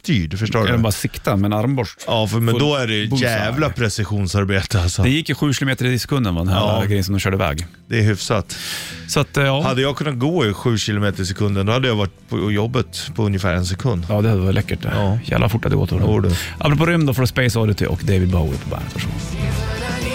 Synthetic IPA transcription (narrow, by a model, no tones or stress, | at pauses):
t̪ʰyːɖfəʂo̰ːɛɛmbɑːɾasɪkt̪amɛnaɾmbɔʂɑːfmɛnd̪ɔæɖɛjæːvlapʰɾɛsɪɧuːnsaɾbeːt̪əalsɔd̪ɛjɪkːəɧʉ̟ːɕɪlʊmeːt̪əɾɪɪsɛ̥kʰɵnd̪ənvad̪ɛnɦæɡɾɛjənsɔmd̪ɔmɕœːɖəɪvɛ̰ːɡ | d̪̥ɛːɾɦʏfsat̪ːsɔat̪ːɑːhad̪ːəjɑːɡkʰɵnːat̪̚ɡoːɪɧʉ̟ːɕɪlʊmeːt̪əɾɪsɛkʰɵnd̪ənd̪ɔhad̪ːəjɑvaʈːpʰɔjɔbːət̪pʰɔɵnjəfæ̰ːɾɛns̬ɛkʰɵnd̪jɑːd̪ɛhad̪lʔɛkːəʈ̪ːjæ̰vlʔa̰fʊʈːhad̪ə̰ɡɔt̪ːoːɖʔapːɾɔp̬ʰoːɾʏmnd̪ɔfɔɾspeɪsɔɾɪt̪ʰɪ̰ʔɔ̰kd̪ejvɪd̪̚baʊɛ̰pʰɔbæ̰ːnət̪fœʂɔ̰m